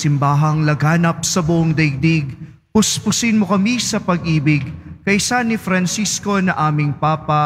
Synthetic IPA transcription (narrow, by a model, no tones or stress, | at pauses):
sɪmbaːɦɐŋlɐɡaːnɐp̚sɐbʊʔoŋd̪ɐjɡ̚d̪iɡ | pʊspʊsɪnmokɐmisɐpɐɡ̚ʔiːbɪɡkɐjsanɪfɾɐnsisko̞nɐʔaːmɪŋpaːpɐ